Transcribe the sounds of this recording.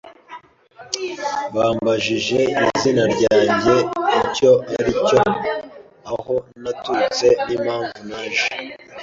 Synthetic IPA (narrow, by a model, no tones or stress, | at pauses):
βaːmbaʒiʒe̞izinaɾɟaːɲɟe̞ico̞aɾico̞ | aho̞natut͡se̞niːmhaːɱvunaːʒe